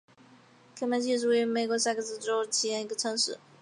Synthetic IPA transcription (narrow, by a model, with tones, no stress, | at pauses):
kʰə˥mɛ˧˥t͡ɕʰi˥˧ʈ͡ʂu˥˩y˧˥me˧˩ɪkwɔ˧˥ɕ̬a˥˩ɡə˧˩sɹ̩˥˩ʈ͡ʂo˥ʊt͡ɕʰi˧˥jɛ˧˥ni˧˥ɡə˧ʈ͡ʂʰɤ˧˥ŋʂɻ̩˥˩˦